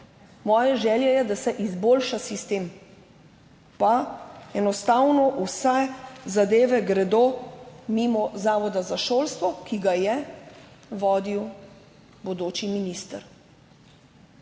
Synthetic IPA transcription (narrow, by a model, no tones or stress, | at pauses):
mɔːjɛʒɛːljɛjɛd̪asɛʔizboːlʃasist̪eːm | paɛnɔst̪awnɔʔusɛzad̪eːʋɛɡɾɛd̪omimɔzaːʋɔd̪azaʃoːlst̪ʋɔkiɡajɛ | ʋɔːd̪iw | bɔd̪oːt͡ʃiminist̪əɾ